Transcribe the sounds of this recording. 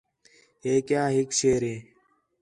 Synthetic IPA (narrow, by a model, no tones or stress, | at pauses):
eːkjãːɦikɕeːɾẽː